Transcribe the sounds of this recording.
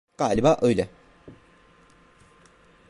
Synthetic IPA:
ɡ̥aːlʲibaːʔøjlʲɛ

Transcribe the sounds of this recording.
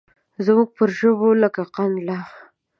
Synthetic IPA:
zmuɡ̚pəɾʒəbolakaqand̪la

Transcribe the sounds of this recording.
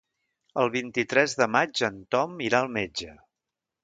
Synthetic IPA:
əlˠβint̪it̪ɾɛzðəmad͡ʒənt̪ɔmiɾaəlˠmed͡ʒə

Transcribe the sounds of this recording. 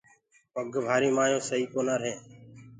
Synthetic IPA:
pəɡʱbʱaːɾiːmaːjõːsəɦiːkoːnaːɾəɦẽː

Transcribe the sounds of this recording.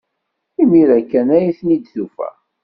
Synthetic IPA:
imiɾækːænæjiθnid̪θufæ̰

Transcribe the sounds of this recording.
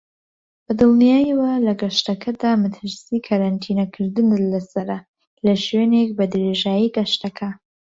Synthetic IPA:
bɨd̪ɨlˠnijaːjiwɐlɐɡɐʃt̪ɐkʰɐd̪aːmɨt̪ʰɨɾsiːkʰaɾant̪ʰiːnɐkʰɨɾd̪ɨnlɐsɐɾɐ | lɐʃwenek̚bɐd̪ɨɾeʒaːjiɡɐʃt̪ɐkʰɐ

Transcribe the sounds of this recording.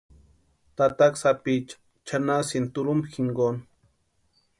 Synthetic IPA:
t̪at̪aksapit͡ʃ | t͡ʃʰanasint̪uɾumbxiŋɡon

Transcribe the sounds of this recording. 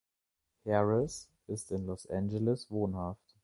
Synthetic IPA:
hɛʁɪs | ɪstɪnlɔsʔɛnd͡ʒɛlɪsvoːnhaft

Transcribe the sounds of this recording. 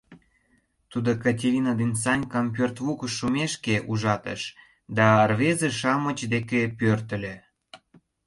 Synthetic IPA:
t̪ud̪okatʲeɾʲinad̪insɑnʲkɑmp̬ørt̪βukəʃːumeʃkeʔuʒɑt̪ə̰ʃ | d̪ɑrβezeʃɑmə̆t͡ɕd̪ekepørt̪ə̆lʲe

